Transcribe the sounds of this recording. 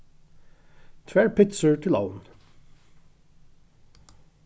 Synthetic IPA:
t̪ʰʋæɹpʰɪtsəɹʈʰɪla̰ʊn

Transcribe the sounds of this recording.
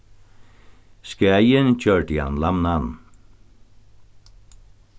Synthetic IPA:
skaːjɪnt͡ɕʰœɹt̪ia̰nlamnan

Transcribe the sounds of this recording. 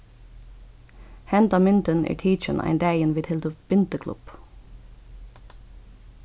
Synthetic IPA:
hɛnd̪ɑːmɪnt̪ənḛːɹʈʰiːt͡ʃə̰nʔæ̰ɪnd̪æɪənʋɪːd̪hɪld̪əb̥ɪnt̪əkʰlʊ̰b̥

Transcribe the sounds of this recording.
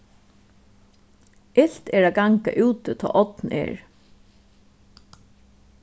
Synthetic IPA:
ʔɪɬt̪ɛːɹaɡaŋka̰ʔʉːt̪ət̪ʰɔ̰ːʔɔt̪n̩ʔḛːɹ

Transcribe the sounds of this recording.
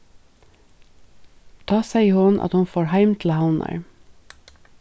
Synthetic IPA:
d̪̥ɑːsæɪhʊnʔɑ̰t̪hʊnfoːɹhæɪmt̪ʰl̩haʊnə̰ɹ

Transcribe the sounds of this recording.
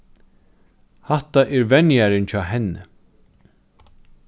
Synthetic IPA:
haht̪aʔɛɾvɛnjaɾɪnt͡ɕʰɔːɦɛnːə̰

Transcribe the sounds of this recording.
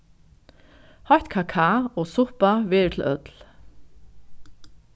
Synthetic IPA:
hɔjht̪kʰaːkʰaːɔːsʊhpavɛːɹt̪ʰɪl̩ʔœt̪l

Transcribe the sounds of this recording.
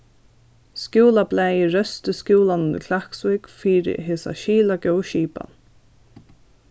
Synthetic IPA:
skjuːlaplɛːjɪɾœst̪əskjuːlannɪ̰kʰlahksvɪkfiːɾɪ̰ɦeːsa̰ʃiːlaɡœwʃiːpa̰n

